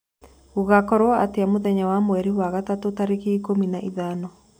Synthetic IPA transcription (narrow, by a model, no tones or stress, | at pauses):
oɣakɔɾwɔateamoðɛɲawamwɛɾiwaɣatatotaɾekeːkominaʔiðanɔ